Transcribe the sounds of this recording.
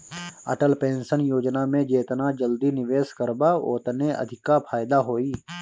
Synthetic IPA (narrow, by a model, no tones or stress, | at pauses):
ɐ̰ʈəlpẽːnʃənjoːd͡ʒnamẽd͡ʒeːt̪nad͡ʒəld̪inɪʋeːskəɾbao̰ːt̪neɐ̰d̪ʱɪkːapʰaːjd̪aɦoːiː